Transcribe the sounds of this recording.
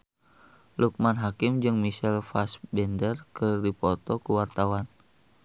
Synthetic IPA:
luk̚manɦakɪmd͡ʒɨŋmisɛlfasbɛndərkɨdipɔt̪ɔkuwart̪awan

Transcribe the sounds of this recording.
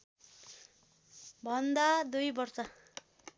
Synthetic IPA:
bʱʌnd̪ad̪ujbʌrsʌ

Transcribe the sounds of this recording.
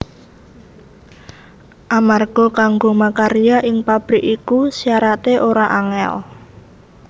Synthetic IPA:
ʔamarɡ̥ɔkaŋɡomakaɾijaʔɪŋpab̥ɾɪkikusijaɾat̪eʔoɾaʔaŋɛ̰l

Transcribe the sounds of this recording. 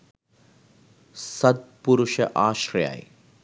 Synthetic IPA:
sɐd̪̚puɾuʃɐʔaːʃɾja̰ːj

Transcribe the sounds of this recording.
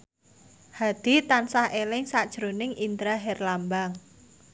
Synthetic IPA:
had̪̥i̤t̪ansahʔelɪŋsad̥ʒ̥ɾonɪŋind̪ɾaɦɛrlambaŋ

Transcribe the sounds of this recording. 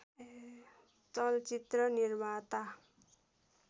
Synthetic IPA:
t͡sʌlt͡sit̪rʌnirmat̪a

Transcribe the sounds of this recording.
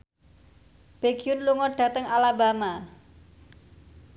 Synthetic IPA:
b̥e̤ɡ̥iʊnluŋɔɖ̥a̤t̪əŋalaba̤ma

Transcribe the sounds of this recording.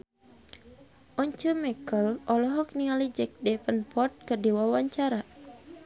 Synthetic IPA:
ʔɔɲt͡ʃəmɛkəlʔɔlɔɦɔk̚niŋalid͡ʒɛk̚dɛpənpɔrt̪̚kərdiwawaɲt͡ʃaɾa

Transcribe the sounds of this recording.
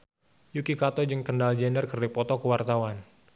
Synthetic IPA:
jukikat̪ɔd͡ʒɨŋkəndald͡ʒendərkərdipɔt̪ɔkəwart̪awan

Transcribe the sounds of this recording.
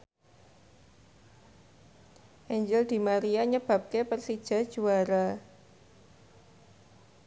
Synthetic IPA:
ʔɛɲd͡ʒɪld̪̥i̤maɾiaɲəb̥a̤p̚kepərsid̥ʒ̥a̤d̥ʒ̥uaɾa

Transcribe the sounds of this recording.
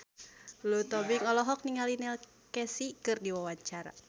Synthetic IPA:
lut̪ɔbiŋɔlɔɦɔk̚niŋalinɛl | kɛsikɨrdiwawaɲt͡ʃaɾa̰

